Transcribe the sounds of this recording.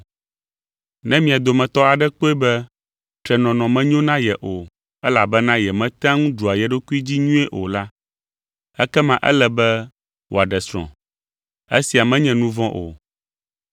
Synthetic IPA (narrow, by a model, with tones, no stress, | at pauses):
nɛ̃˦mĩ˨a˨d̪o˨mɛ̃˨t̪ɔ˦a˨ɖɛ˦k͡po˦ɛ˦bɛ˦ | t̪ɾɛ˨nɔ̃˨nɔ̃˨mɛ̃˦ɲõ˦nã˦jɛ˨ʔo˨ | ɛ˦la˨bɛ˦nã˦jɛ˨mɛ̃˦t̪ã˦ŋũ˦ɖu˨a˨jɛ˨ɖo˦ku˦i˦d͡ʑi˦ɲũ˦ɛ˦ʔo˨la˦ | ɛ˦kɛ˦mã˨ʔɛ̰˦lɛ˨bɛ˦ | wʔo̰˨a˨ɖɛ˨sɾ̃ɔ̰̃˨ | ḛ˦si˨a˨mɛ̃˦ɲɛ̃˨nũ˦vɔ̃˦ʔo̰˨